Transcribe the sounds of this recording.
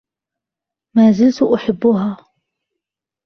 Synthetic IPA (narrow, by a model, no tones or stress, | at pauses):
maːzɪlt̪ʊʔʊħɪbːʊɦaː